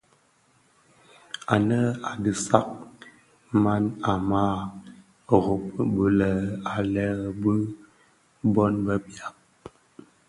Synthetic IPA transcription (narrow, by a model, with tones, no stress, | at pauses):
a˨nə˦a˨dɨ˨sa˦k̚ | ma˦na˨ma˦ | ɣo˨p̚bu˨lə˨a˨lɛ˦˨bə˦ | bɔ˦nbə˦bja˨p̚